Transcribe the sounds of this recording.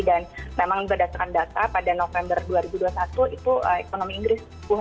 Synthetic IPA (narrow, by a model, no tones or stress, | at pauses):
danmemaŋbərdat̪akandat̪apadanofɛmbərduaɾibuduasat̪uit̪uʔəekonomiːŋɡɾɪs | buɦ